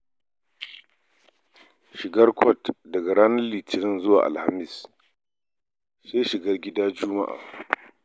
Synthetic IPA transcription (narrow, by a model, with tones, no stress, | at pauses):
ʃɪ˨ɡɐ˦rkʷʰɔ˦˨tdɐ˨ɡa˨ɽaː˦nɐ˦rliː˨tʰɪ˨nɪ˦˨nzʊ˦wa̰ː˨ʔa̰˨lha˨mɪ˦˨s | se˦ʃɪ˨ɡɐ˦rɡʲɪ˦daː˦d͡ʒʊ˦ma̰˦ʔa̰ː˨